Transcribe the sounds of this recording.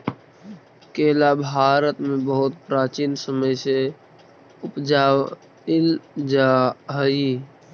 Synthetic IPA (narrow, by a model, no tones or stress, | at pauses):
keːlabʱaːɾət̪mẽbəɦʊt̪̚pɾaːt͡ʃiːnsəməjse | ʊpd͡ʒa | ld͡ʒaɦəi